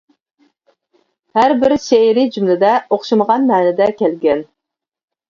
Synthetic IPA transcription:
hæɾbɪɾʃeɾɪd͡ʒymlɪd̪ɛoχʃɨməʁɑnmæːnɪd̪ɛkʲʰɛlɡʲɛn

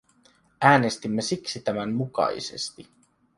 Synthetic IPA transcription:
æːne̞st̪imːesiksit̪æmæmmukɑ̰ḭsḛst̪i

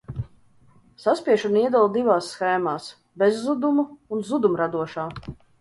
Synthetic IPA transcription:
saspʲiɛʃuniɛd̪ɛlˠd̪ivaːsːxɛːmaːs | bɛzːud̪umuunzud̪umɾad̪uɔʃaː

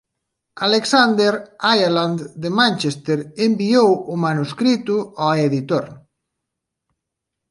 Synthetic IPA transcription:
aleksand̪eɾajaland̪d̪emãnʲt͡ʃest̪eɾembiowʊmanuskɾit̪ʊaeðit̪oɾ

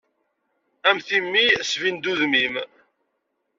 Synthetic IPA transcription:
æmθimːisvind̪uðmim

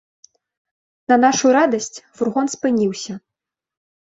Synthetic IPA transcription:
nɐnaʂuɾad̪ɐsʲt͡sʲfurɣɔnspɨnʲiwsʲɐ

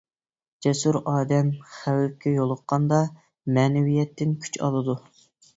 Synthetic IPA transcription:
d͡ʒɛsuɾɑːd̪ɛmχæwɪp̚kʲɛjolˠəqːɑnd̪ɑ | mɛːnɛwijɛt̪ʰːɪnkʲʰy̥t͡ʃɑ̰lˠɨd̪u

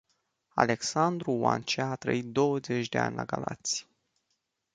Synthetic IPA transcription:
a̰le̞ksand̪ɾuwa̰nt͡ʃaːt̪ɾə̰it̪̚d̪o̞wəze̞t͡ʃd̪e̞a̰nʲlaɡalat̪sʲj

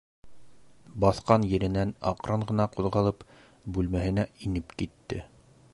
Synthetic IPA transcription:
bɑθqɑnjɘ̆ɾɘ̆nænɑ̰qɾʔɑɴʁɤ̆nɑquðʁɑlˠɤp | bʉlmæhɘ̆næinɘpkit̪ːɘ̰

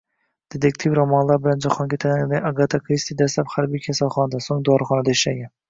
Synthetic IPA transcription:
d̪̥ed̪ʰekʲt̪ʰivɾɑmɑnlˠɑɾbɪlɛnd͡ʒɑqʰɑŋkʲʰet̪ʰænd̪ɪɑɡɑt̪ʰɑkʰɾist̪ʰid̪ɛslɛpχæɾbijkʲʰɛsælˠχɑnɑd̪ɑsoŋd̪oɑɾχɑnɨd̪ɑiʃlɛɡʲɛn

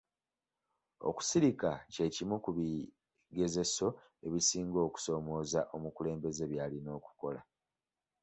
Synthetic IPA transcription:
o̞̰ku̥siɾikace̞ːcimukuβi | ɡe̞ze̞so̞ | e̞βisiːŋɡo̞ːku̥so̞ːmo̞ːzaʔo̞mukule̞ːmbe̞ze̞βjaːlino̞ːku̥ko̞la̰

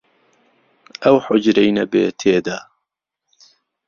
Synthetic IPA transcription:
ʔɐwħʊd͡ʒɾɛjnɐbḛːt̪ʰeːd̪a

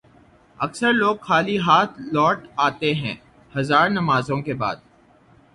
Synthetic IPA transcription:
ɐksəɾloːɡxaːliɦaːt̪ʰlɔːʈaːt̪eɦɛ̰̃ː | hɐzaːɾnɐmaːzõkeba̰ːd̪̚

